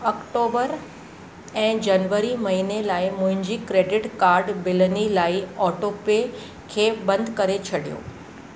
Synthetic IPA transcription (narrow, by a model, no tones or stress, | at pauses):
ɔkʈoːbəɾ | ɛ̃ːd͡ʑɐnʋəɾimɐɦinelaːɪmʊ̃ɦɪ̃ɲd͡ʑikɾeːɖɪʈkaːɾɖbɪlənilaːiɔːʈoːpe | kʰeːbɐ̃nd̪ʱkɐɾet͡ɕʰɐɽijo̰ː